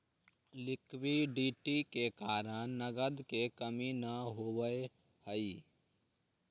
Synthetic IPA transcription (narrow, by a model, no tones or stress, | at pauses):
lɪkʰwiɖiʈikekaːɾəɳnəɡəd̪kekəminəɦowəe | həi